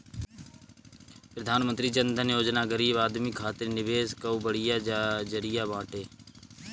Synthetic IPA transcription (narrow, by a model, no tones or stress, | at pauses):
pɾəd̪ʱaːnmənt̪ɾiːt͡ʃənd̪ʱənjoːd͡ʒnaːɡəɾiːbaːd̪mikʰaːt̪ɪɾnɪʋeːskəubəɽɪjaːd͡ʒəɾɪjaːbãːʈeː